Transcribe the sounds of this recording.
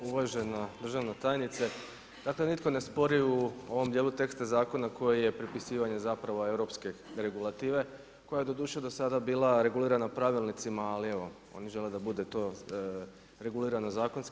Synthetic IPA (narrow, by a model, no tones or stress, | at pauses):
uʋaʒe̞nad̪r̩ʒaʋnot̪aːjnit̪se̞ | d̪̥akle̞nit̪ko̞ne̞spo̞ɾiuo̞ʋo̞md̪jeːlˠut̪e̞kst̪azaːko̞nakʰo̞jije̞pɾipisiːʋaɲe̞zapɾaʋoe̞ʋɾo̞pskeɾe̞ɡulˠat̪iːʋe̞ | ko̞jaje̞d̪o̞d̪uːʃed̪o̞sad̪abiːlˠaɾe̞ɡuliːɾanapɾaʋilˠnit̪simaːlie̞ʋo̞ | o̞̰niʒe̞led̪abud̪et̪o̞ | ɾe̞ɡuliːɾanozaːkonsk